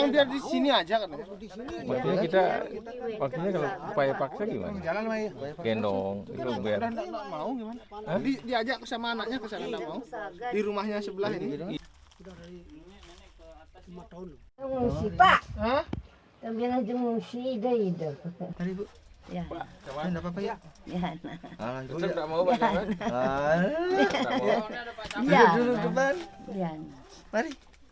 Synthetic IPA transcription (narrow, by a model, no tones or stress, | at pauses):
jaŋbiardisiniad͡ʒakarnaa | mak̚t̪iɲait̪a̰ | mak̚t̪iɲakaloupajapaksaɡima̰ad͡ʒalanjɡɛndɔŋḭt̪ubedahndakdaʔ̚mauɡimanaadidiad͡ʒakusamaːnak̚ɲakusanandak̚maudiɾumahɲasəbəlasinid | umt̪aul | əmusipaʔə | t̪abianad͡ʒəmusiidəidət̪aɾibu | jaadapapajajanaaadamauban | aaduɾuɡəbanjan | maɾi